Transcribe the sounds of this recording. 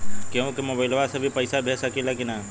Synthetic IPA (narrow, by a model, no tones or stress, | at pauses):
keũkemobəɪlʋasɐ̃bʱipəɪsabʱesakelakina